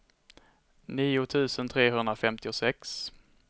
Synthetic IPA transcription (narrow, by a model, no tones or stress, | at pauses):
niːʊt̪ʰʉ̟ːsənt̪ʰɾeːɦɵnd̪ɾafɛmt̪ɪʊsɛks